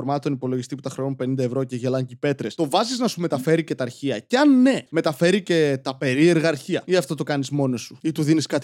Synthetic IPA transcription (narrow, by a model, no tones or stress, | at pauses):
oɾmɐt̪onipo̞lo̞ʝist̪iput̪ɐxɾeonumpe̞nind̪ɐevɾo̞ceʝelɐɲcipe̞t̪ɾest̪o̞vɐziznɐsume̞t̪ɐfe̞ɾice̞t̪ɐːɾçiɐceɐnːe̞me̞t̪ɐfe̞ɾice̞t̪ɐpe̞ɾie̞ɾɣɐːɾçiɐiɐft̪o̞t̪o̞kɐnizmo̞no̞suit̪uðiniskɐt̪